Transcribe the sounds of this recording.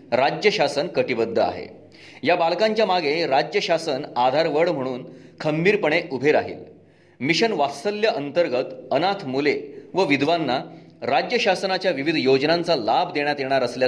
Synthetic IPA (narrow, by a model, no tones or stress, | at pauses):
ɾad͡ʑjəɕasənkəʈibəd̪ʱːəa̰ɦḛ | jabalkãɲt͡ɕjamaɡʱeɾad͡ʑjəɕasənad̪ʱaɾʋəɽm̤əɽ̃uːn | kʰəmbiːɾpəɳ̃eʔubʱeɾa̰ɦḭːl | miɕənʋast̪əljəʔənt̪əɾɡət̪ənat̪ʰmuleʋəʋid̪ʱʋanːaɾad͡ʑjəɕasənat͡ɕjaʋiʋid̪ʱjod͡ʑnant͡salabʱd̪eɳjat̪jeɽ̃aɾəslja